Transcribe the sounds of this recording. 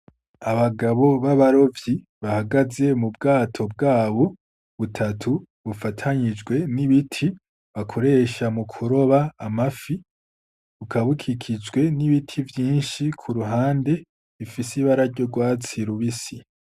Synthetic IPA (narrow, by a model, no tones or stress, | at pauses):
aβaɡaβo̞βaβaɾo̞vji | βahaɡaze̞mubɡaːtʰo̞b̚ɡaːβo̞ | βutʰatʰu | βufatʰaɲid͡ʒɡwe̞niβitʰi | βakʰo̞ɾe̞ːʃamukʰuɾo̞βaːmafi | βukʰaβukʰikʰid͡ʒɡwe̞niβitʰivjiːnʃikʰuɾuɦaːnde̞ | βifisiβaɾaɾɟo̞ɡwaːt͡siɾuβisi